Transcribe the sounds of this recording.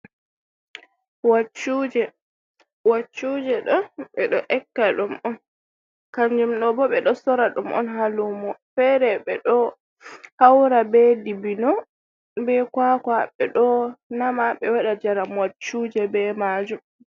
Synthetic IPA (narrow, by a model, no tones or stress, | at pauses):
wat͡ʃːud͡ʒɛ | wat͡ʃːud͡ʒɛɗɔɓɛɗɔʔɛkːaɗumʔɔn | kaɲd͡ʒumɗɔbɔɓɛɗɔsɔɾaɗumʔɔ̰nɦalumɔfɛɾɛɓɛɗɔ | hawɾabɛdibinɔ | bɛkwakwaɓɛ̰ɗɔnamaɓɛwaɗad͡ʒaɾamwat͡ʃːud͡ʒɛbɛmad͡ʒum